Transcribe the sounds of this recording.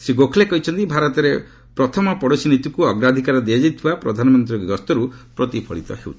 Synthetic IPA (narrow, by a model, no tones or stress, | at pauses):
siɡokʰlekɔɦit͡ʃʰɔnt̪ibʱaɾɔt̪ɔɾe | pɾɔt̪ʰɔmɔpɔɽot͡ʃʰinit̪ukuɔɡɾad̪ʱikaɾɔd̪iad͡ʒajt̪ʰibapɾɔ̰d̪ʱanɔmɔnt̪ɾiɔɡiɡɔst̪ɔɾupɾɔt̪ipʰɔ̰ɭit̪ɔ̰ɦḛw̰t̪ʰi̥